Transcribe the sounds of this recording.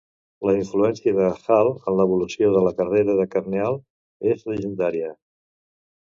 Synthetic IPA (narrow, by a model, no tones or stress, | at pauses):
ləiɱfluɛnsiəðəsalˠənləβulusioðələkəreɾəðəkəɾnealˠ | ezləʒənd̪aɾiə